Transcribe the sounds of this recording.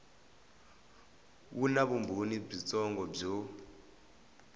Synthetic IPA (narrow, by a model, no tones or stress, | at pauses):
unaɓumbʱonib͡ʐit͡sʼɔŋɡɔb͡ʐɔ